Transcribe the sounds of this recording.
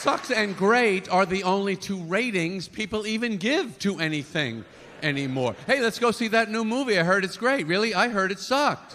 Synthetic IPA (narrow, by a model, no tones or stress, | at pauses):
sʌksɨ̃nɡɹeɪɾə˞ðiõʊ̃nlitʰuɹeɪɾɪ̃ŋz̥pʰipl̩ˠivɨ̃nɡɪv̥tʰɨɛniθɪ̰̃ŋ | ʔɛnimɔ̰ɹheɪlɨtsɡ̥oʊsiðɨtⁿnumuviaɪɦɜ˞ɾɨtsɡ̥ɹeɪt̚ɹɪlˠiaɪɦɜ˞ɾɨtsɑk̚t